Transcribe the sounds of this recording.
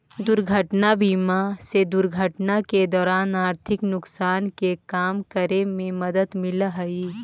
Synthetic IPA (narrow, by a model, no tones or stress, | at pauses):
d̪ʊɾɡʱəʈnabiːmased̪ʊɾɡʱəʈnaked̪ɔːɾaːnaːɾt̪ʰɪknʊksaːnkekaːmkəɾemẽmɐd̪əd̪mɪlɦɐi